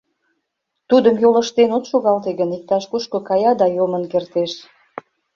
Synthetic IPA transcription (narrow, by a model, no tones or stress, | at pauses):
t̪ud̪əmjoləʃt̪enot̪ʃoɣɑlt̪eɣənik̚t̪ɑʃkuʃkokɑjɑd̪ɑjomənkert̪eʃ